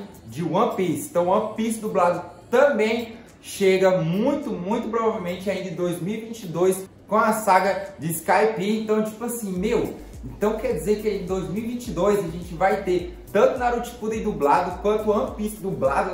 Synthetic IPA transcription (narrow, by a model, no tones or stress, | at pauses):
d͡ʒɪwɐ̃pist̪ɐ̃w̃ɐ̃pisd̪ublad̪ʊt̪ɐ̃bẽj̃ | ʃeɡɐmũj̃t̪ʊmũj̃t̪ʊpɾovavewmẽnt͡ʃɪaĩd̪ɐɪ̃d̪ojzmiwivĩt͡ʃid̪ojs | kõɐsaɡɐd͡ʒɪskajpeẽt̪ɐ̃w̃t͡ʃi̥pʊasĩmew | ẽnt̪ɐ̃w̃kɛɾd͡ʒizeɾkɪaĩd̪ojzmiwivĩt͡ʃid̪ojzɐʒẽnt͡ʃɪvajt̪et̪ɐ̃nt̪ʊnaɾut͡ʃi̥pud̪ẽd̪ublad̪ʊkwɐ̃nt̪ʊɐ̃pisd̪ublad̪ʊ